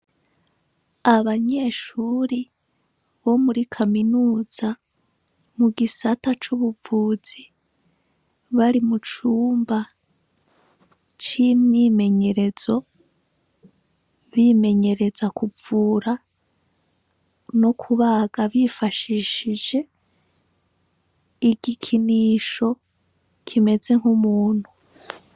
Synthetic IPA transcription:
aβaɲe̞ːʃuɾi | βo̞muɾikʰaminuːz̥a | muɡisatat͡ʃuβuvuːz̥i | βaɾimut͡ʃuːmba | t͡ʃimɲiːme̞ɲe̞ɾe̞z̥o̞ | βime̞ɲe̞ɾe̞zakuvuːɾa | no̞kʰuβaɡaβifaʃiʃid͡ʒe̞ | iɡikʰiniːʃo̞ | kʰime̞ze̞ŋ̥humuːn̥hu

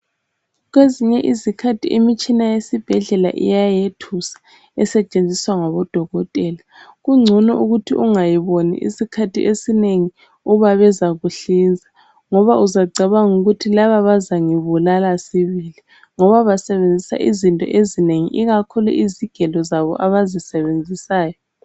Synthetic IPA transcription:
ɣweziɲɛʔizikʰatʰiʔimit͡ʃʼinajesib̥ʱɛɮɛla̰ʔḭjajetʰusḁ | ɛsɛt͡ʃʼend͡zʱiswaŋaβɔd̥ʱɔɣɔtʼɛːlaɣuŋ͡ǀʱunɔʔuɣutʰḭʔuŋajiβonḭʔḭsikʰatʰḭʔesineŋi | uβaβɛzaɣuɬind͡zʱa | ŋɔβaʔuzaɡ͡ǀʱɛβaŋuɣutʰilaβaβazaŋiβulalasiβili | ŋɔβaβasɛβend͡zʱisa̰ʔizintʼɔ̰ʔezineŋḭʔiɣakʰulṵʔiziɡ̥ʱɛlɔzaβɔ̰ʔaβazisɛβend͡zʱisaːjɔ

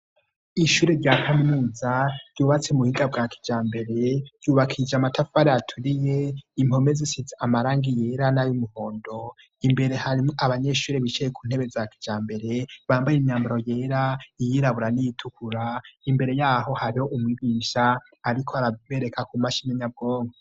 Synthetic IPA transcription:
iʃuɾeɾɟaːkʰamimuːzaɾɟuːβat͡semuhiɡab̚ɡaːkʰi̥d͡ʒaːmbe̞ɾe̞ɾ̥ɟuːβakʰid͡ʒamatʰafaɾeatʰuɾijeimho̞mezisizaamaɾaːŋɡije̞ːɾanajumuho̞ːndo̞ | imbe̞ɾehaɾiaβaɲe̞ʃuːɾeβit͡ʃejekʰuːn̥he̞βe̞zakʰi̥d͡ʒaːmbe̞ɾe̞βaːmbajeɲaːmbaɾo̞jeːɾaijiɾaβuɾanijitʰukʰuɾaimbe̞ɾe̞jaːɦo̞haɾiho̞ʔumwiːɡiːʃaː | ɾikʰo̞aɾaβe̞ɾekʰakumaʃineɲab̚ɡo̞ːŋɡo

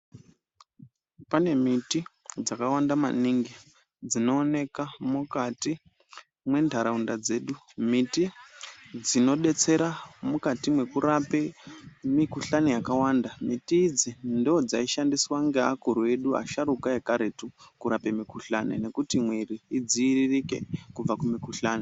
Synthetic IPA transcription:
pane̞miti | d͡zakawandama̰niŋɡi | d͡zino̞ːne̞kamukati | mwe̞ndʱaɾaundad͡ze̞ːɗu | miti | d͡zino̞ɗe̞t͡se̞ɾamukatimwe̞kuɾapemikuɬanejakawandamitiːd͡zindod͡zaiʃandiswaŋɡea̰kuɾue̞ɗua̰ʃaɾukaekaɾetukuɾape̞mikuɬanḛne̞kutimwiriːd͡ziːririke̞̰kub͡vakumikuɬaːne

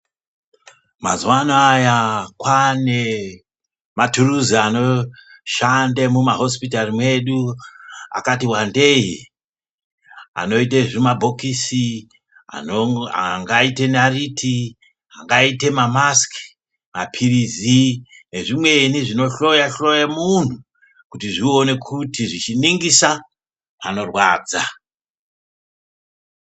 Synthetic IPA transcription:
mazwanaajakwane | maturuziano̞ | ʃandemumaɦo̞spitarimwe̞ɗu | a̰katiwande̞i | a̰no̞iteʐimabʱo̞kisi | a̰a̰ŋɡaite̞naritʰi | aŋɡaite̞mamaski | mapʰirizi | ne̞ʐimwe̞niʐino̞ɬo̞jaɬo̞jamun̤u | kutiʐione̞kʰutiʐit͡ʃiniŋɡisa | ano̞rwaːd͡za

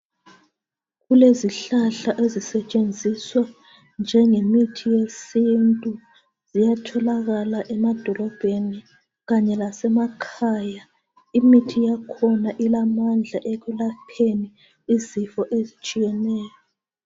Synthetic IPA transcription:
ɣuleziɬaɬaʔezisɛt͡ʃʼend͡zʱiswa | nd͡ʒʱɛŋemitʰijesintʼu | z̥ijatʰɔlaɣalaʔɛmad̥ʱɔlɔb̥ʱeni | ɣaɲɛlasɛmakʰaːja | imitʰijakʰɔnaʔilamand͡ɮʱaʔeɣulapʰeni | izifɔʔezit͡ʃʼijɛnɛːjɔ

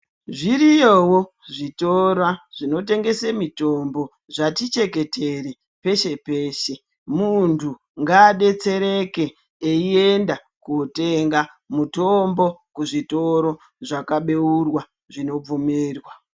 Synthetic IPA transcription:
ʐirijowo | ʐitoɾwaʐ̥ino̞te̞ŋɡe̞semito̞mbo̞ | ʐatit͡ʃe̞ke̞tere | pe̞ʃe̞peːʃe̞ | muntʰu | ŋɡaɗe̞t͡se̞ɾe̞ke̞ː | ie̞nda | kute̞ŋɡa | muto̞mbo̞kuʐito̞ɾo̞ | ʐakaɓe̞urwa | ʐino̞b͡vumeːrwa

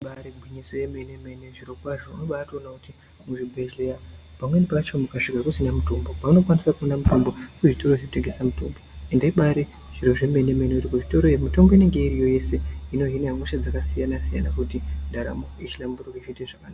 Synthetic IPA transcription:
ɓaɾebʱwiɲisojemenemeneʐiro̞kwaʐo̞unoɓatoːnakuti | muʐibʱeʒleja | pamwe̞nipat͡ʃomukaʂikakusinamutombopamuno̞kwanisakuondamuto̞mbo̞kuʐito̞ɾoʐeuteŋɡesamuto̰mboendeiɓaɾe | ʐ̥iɾoʐe̞menemeineitikoʐito̞ɾoemito̞mbo̞ine̞ŋɡe̞iɾijo̞je̞se̞ino̞ɦineaŋuʃad͡zakasijanasija̰nakutindaɾa̰moit͡ʃilambuɾokiʃiteʐakanaːa

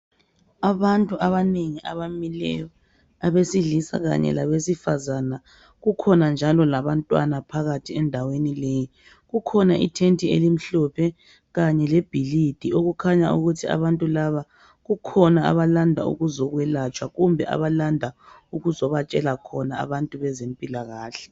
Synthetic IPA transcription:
aβantʼuʔaβaneŋiʔa̰βamilɛ̰jɔ | aβesiɮisa̰ɣa̰ɲɛ̰laβesifazana | ɣukʰɔnand͡ʒʱalɔlaβantʼwa̰napʰaɣatʰiɛndʱawenileji | ɣukʰɔnaʔḭtʰentʰʼiḛlim̩ɬɔpʰɛ | ɣaɲɛlɛb̥ʱilid̥ʱioɣukʰaɲaṵɣutʰia̰βantʼulaβa | ɣukʰɔnaa̰βalandʱaṵɣuzɔɣwɛlat͡ʃʼwaɣumbʱɛ̰ʔa̰βalandʱa | uɣuzɔβat͡ʃʼɛlakʰɔnaa̰βantʼuβɛzempʼilaɣaːɬɛ̥

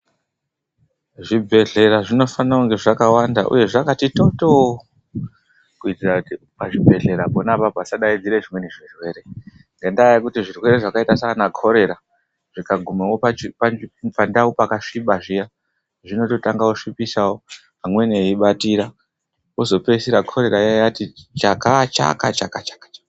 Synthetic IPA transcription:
ʐibʱe̞ɮe̞ɾaʐino̞fanauŋɡe̞ʐakawandaʔṵje̞ʐakatito̞to | kuitira | paʐibʱe̞ɮe̞ɾaponapapasaɗaid͡ziɾeʐimwe̞neʐirwe̞ɾe̞ | ŋɡendaːjakutiʐirwe̞ɾe̞ʐakaitasaanakʰo̞ɾe̞ɾa | ʐ̥ikaɡʱumewopat͡ʃipapandaupakaʂiɓaʐija | ʐino̞to̞taŋɡaoʂipisawo | ɦamwe̞neiɓatiɾa | ozo̞pe̞siɾakʰo̞ɾe̞ɾajajatit͡ʃakat͡ʃa̰kat͡ʃakat͡ʃḁkḁt͡ʃḁ

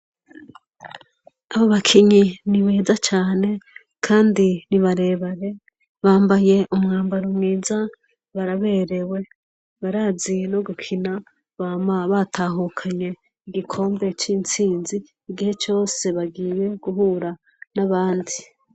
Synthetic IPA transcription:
aβoβakʰiɲiniβeːzat͡ʃaːne̞ | kʰaːndiniβaɾe̞ːβaɾe̞ | βaːmbaje̞ʔumŋaːmbaɾumŋiːza | βaɾaβe̞ːɾe̞we̞ | βaɾaːzinoɡukʰina | βamaβatʰaɦukʰaɲe̞ | iɡikʰo̞ːmbe̞t͡ʃiːnt͡siːnziː | ɡihe̞t͡ʃo̞ːse̞βaɡiːje̞ɡ̥uɦuːɾa | naβaːndi

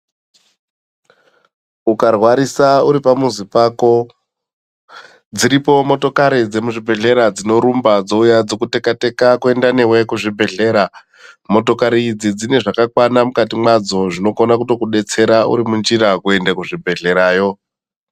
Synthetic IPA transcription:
ukarwaɾisauɾipamuzipaːko̞ | d͡ziɾipo̞mo̞to̞kaɾid͡ze̞muʐibʱe̞ɮe̞ɾad͡zino̞ɾumbad͡zo̞ujad͡zo̞kute̞kate̞kakue̞ndane̞we̞kuʐibʱe̞ɮe̞ːɾa | mo̞to̞kaɾiːd͡zid͡zine̞ʐakakwanamukatimwad͡zo̞ʐino̞konakuto̞kuɗe̞t͡se̞ɾaṵɾimund͡ʒiɾakue̞ndakuʐibʱe̞ɮe̞ɾaːjo̞

